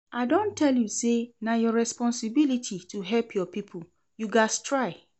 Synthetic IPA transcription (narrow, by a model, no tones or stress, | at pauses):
aɪdõntʰːɛljusenajɔɹɛspɔ̃nsibilitʰitʰuɦɛlpʰjɔpipʰu | juɡastʰɹaɪ